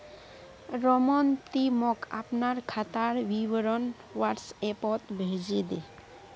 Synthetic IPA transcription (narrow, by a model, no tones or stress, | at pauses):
ɾɔmɔnt̪imɔkʰa̰pnaɾkʰat̪aɾwiwɔɾɔn | waɾsepɔt̪bʱed͡ʒid̪e